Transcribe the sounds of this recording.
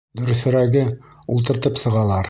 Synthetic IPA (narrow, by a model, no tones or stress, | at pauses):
d̪ɵ̆ɾɵ̆θɘ̆ɾæɡɘ | ulˠt̪ɤ̆ɾt̪ɤpsɤ̆ʁɑlˠɑɾ